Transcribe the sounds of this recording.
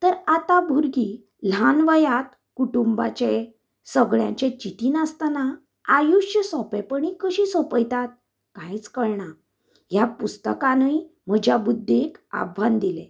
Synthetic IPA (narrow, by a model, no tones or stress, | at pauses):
t̪əɾat̪abʱuɾɡi | l̤anʋəjat̪ | kuʈumba̰t͡ɕe | səɡɭjã̰ɲt͡ɕet͡ɕit̪iːnast̪ana | ajuɕjəsɔpepəɳ̃ikəɕiːsɔpəjt̪at̪̚ | kajt͡skəɾɳa | japust̪əkanəi | m̤əd͡ʑʱjabud̪ʱːeka̰bʱʋand̪ile